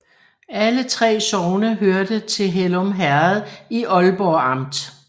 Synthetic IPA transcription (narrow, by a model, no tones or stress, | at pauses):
ælət͡sʰʁɛ̰ːsɒʊnəɦøɐd̥ət͡sʰe̝lɦelɔmɦæɐð̩ˠiʔɒ̽lb̥ɒːɑ̈m̰d̥